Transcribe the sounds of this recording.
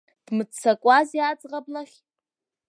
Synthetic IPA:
d̥mɨt͡sʰakʷʼazjat͡sʼʁablaχʲ

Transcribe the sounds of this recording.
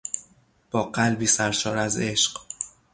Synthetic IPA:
b̥ɒːɢælbiːsæɾʃɒːɾæze̞ʃɢ

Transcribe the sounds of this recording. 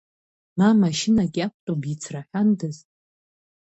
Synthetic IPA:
mamaʃɪnaɡʲak̚ʷʰtʼomit͡sʰraħʲʷᶣandɨzʼ

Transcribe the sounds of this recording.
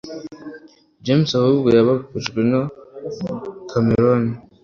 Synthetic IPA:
d͡ʒemsahubɡejaβakuʒɡwena | kʰameɾoni

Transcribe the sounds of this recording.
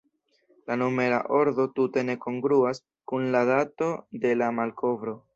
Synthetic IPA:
lanome̞ɾa̰ʔo̞ɾdo̞tute̞ne̞ko̞ŋɡɾuas | kunladato̞de̞lamalko̞vɾo̞

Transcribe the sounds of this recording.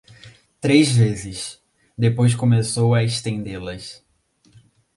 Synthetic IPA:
t̪ɾezvezɪs | d̪epojs̬kõmesowɐeʃt̪ẽnd̪elɐs

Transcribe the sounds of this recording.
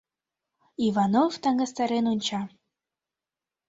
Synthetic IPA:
ivɑnovt̪ɑŋɡɑst̪ɑɾenunʲt͡ɕɑ

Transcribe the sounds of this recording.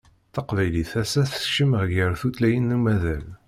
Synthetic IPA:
θɑqvæjliθæsæθʃəməʁʝəɾθut̪læjənːumæðæl

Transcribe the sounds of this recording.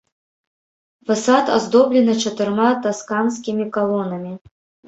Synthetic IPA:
fasat̪a̰zd̪ɔblʲɛnɐt͡ʂɐt̪ɨrmat̪askanskʲimʲikalˠɔnɐmʲi

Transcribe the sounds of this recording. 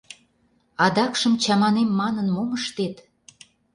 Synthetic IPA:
ɑd̪ɑkʃəmt͡ɕɑmɑnemːɑnənmoməʃt̪et̪

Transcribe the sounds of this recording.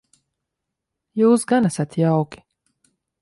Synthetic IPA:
juːsɡanæsʲat̪jawkʲi̥

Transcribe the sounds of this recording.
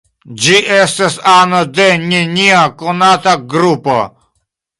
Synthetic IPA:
d͡ʒiʔest̪asanod̪enʲiniakonat̪aɡɾupo̰

